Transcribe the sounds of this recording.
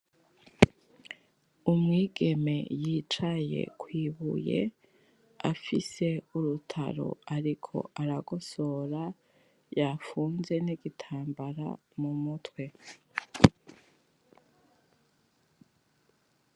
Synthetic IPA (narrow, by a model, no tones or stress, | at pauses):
umŋiːɡe̞me̞̰jiːt͡ʃaje̞̰kwiːβṵje̞̰ | a̰fise̞uɾutʰa̰ɾo̞̰aɾikʰo̞̰ʔaɾaɡoso̞ːɾa | jafuːnze̞niɡitʰaːmbaɾa̰ | mumutwe̞